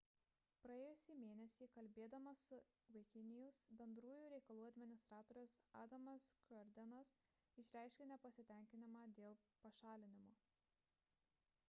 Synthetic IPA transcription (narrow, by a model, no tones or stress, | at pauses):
pɾɐeːjʊsʲiːmʲeːnʲɛsʲiːkɐlʲbʲeːd̪ɐmɐsʊ | ʋɐɪkʲɪnʲɪjʊsbʲɛnd̪ɾuːjuːɾʲɛɪkɐlˠuːɐd̪ʲmʲɪnʲɪst̪ɾɑːt̪oːɾʲʊsɑːd̪ɐmɐskʲɔɾʲd̪ʲɛnɐs | ɪʃʲɾʲæˑɪʃʲkʲɪnʲɛpɐsʲɪt̪ʲɛˑŋʲkʲɪnʲɪmɑːd̪ʲeːlˠpɐʃɑːlʲɪnʲɪmoː